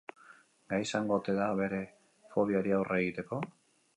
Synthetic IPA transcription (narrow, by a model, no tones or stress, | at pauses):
ɡajsaŋɡo̞t̪e̞ðaβe̞ɾe̞ | fo̞βioɾiawrʔeɣit̪e̞ko̞